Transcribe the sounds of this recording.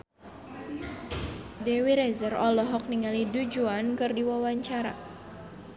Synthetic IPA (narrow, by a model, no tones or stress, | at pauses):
dɛwiɾɛzərɔlɔɦɔk̚niŋalidud͡ʒuankɨrdiwawaɲt͡ʃaɾa̰